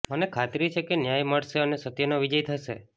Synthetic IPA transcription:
mənekʰat̪ɾit͡ʃʰekenjajməɽseənesət̪ijənoʋid͡ʒəjt̪ʰasḛ

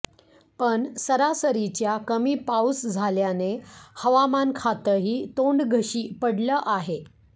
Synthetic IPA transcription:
pəɳsəɾasəɾit͡ɕjakəmiːpausd͡zʱaljanehəʋamankʰat̪əɦiːt̪oɳɖɡʱəɕiːpəɽləːʔaɦe

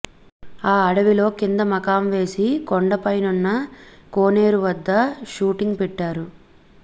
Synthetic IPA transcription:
aːɐɽɐʋilo̞ːkind̪ɐmɐkaːmʋe̞ːsikoɳɖɐpɐjnunːɐko̞ːne̞ːɾuʋɐd̪ːɐʃuːʈiŋɡpɛʈːaːɾu

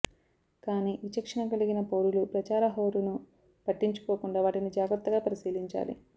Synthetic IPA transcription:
kaːniːʋit͡ʃɐkʂɐnɐkɐliɡinɐpoːɾulupɾɐt͡ʃaːɾɐɦo̞ːɾunu | pɐʈːiɲt͡ʃu̥koːkuɳɖaːʋaːʈinid͡ʒaːɡɾɐt̪ːɐɡaːpɐɾisiːliɲt͡ʃa̰ːlḭ

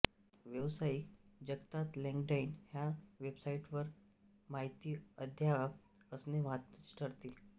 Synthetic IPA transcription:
ʋjəʋsaikd͡ʑəɡt̪at̪lẽŋɡɖainhjaʋebsaiʈʋəɾ | maɦit̪iːəd̪ʱjaʋa | əsneʋat̪t͡si̥ʈʰəɽt̪i

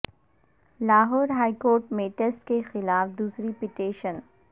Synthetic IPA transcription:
laːɦɔːɾɦaːikoːɾʈmẽʈeːsʈkexɪlaːfd̪uːsɾipiʈeːʃən

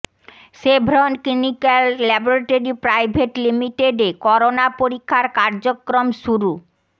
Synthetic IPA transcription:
ʃebʱɾonklinikalːɛboɾaʈoɾipɾajbʱeʈlimiʈeɖekɔɾonapoɾikʰːaɾkaɾd͡ʑokːɾomʃuɾu

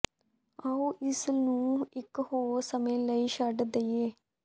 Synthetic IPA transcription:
aːuːʔɪsnũːɪkhoːɾsəmẽːləiːʃəɖd̪əieː

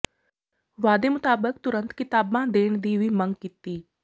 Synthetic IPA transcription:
ʋaːd̪eːmʊt̪aːbək̚t̪ʊɾənt̪kɪt̪aːbãːd̪eːɳd̪iːʋiːməŋɡkit̪iː

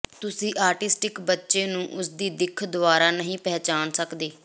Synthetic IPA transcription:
t̪ʊsĩːʔaːɾʈɪsʈɪkbətːʃeːnũːʔʊsd̪iːd̪ɪkʰd̪ʊʋaːɾaːnəɦĩːpɛːt͡ʃaːnsəkd̪eː

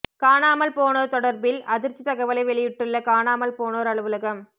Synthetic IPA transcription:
kaːnaːmɐlpoːnoːɾt̪ɔɽɐɾbɪlʔɐðɪɾt͡ʃit̪ɐɣɐʋɐlɐɪʋɛɭɪjɪʈːɯɭːɐkaːnaːmɐlpoːnoːɾɐɭɯʋɯlɐɣɐm

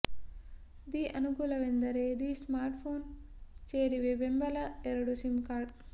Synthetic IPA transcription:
d̪iːʔɐnuɡuːlɐʋend̪ɐɾeːd̪ismaːɾʈpʰoːn | t͡ʃeːɾiʋeʋembɐlɐeɾɐɽusimkaːɾɖ

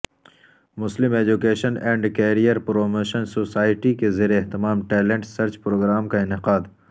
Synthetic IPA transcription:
mʊslɪmeːd͡ʒukeːʃənɛ̃ːɳɖkeːɾijəɾpɾoːmoːʃənsoːsaːɪʈikezeːɾeːɦt̪ɪmaːmʈɛːlẽɳʈsɐɾt͡ʃpɾoːɡɾaːmkaɪnɪqaːd̪

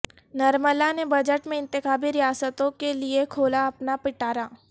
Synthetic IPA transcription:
nɐɾməlanebɐd͡ʒəʈmẽɪ̃nt̪ɪkaːbiɾɪjaːsət̪õkeliekʰoːlaɐpnapɪʈaːɾaː

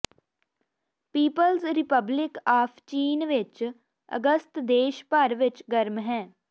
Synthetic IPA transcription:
piːpəlzɾɪpəblɪkaːpʰt͡ʃiːnʋɪt͡ʃ | ə̰ɡəst̪d̪eːʃpəɾʋɪt͡ʃɡəɾmɦɛ̃ː

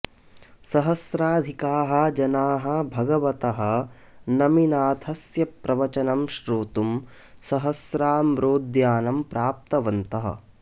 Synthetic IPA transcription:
sɐɦɐsɾaːd̪ʱikaːɦɐ̆d͡ʒɐnaːɦɐ̆bʱɐɡɐʋɐt̪ɐɦɐ̆ | nɐminaːt̪ʰɐsjɐpɾɐʋɐt͡ʃɐnɐmʃɾuːt̪um | sɐɦɐsɾaːmɾoːd̪jaːnɐmpɾaːp̚t̪ɐʋɐnt̪ɐɦɐ̰

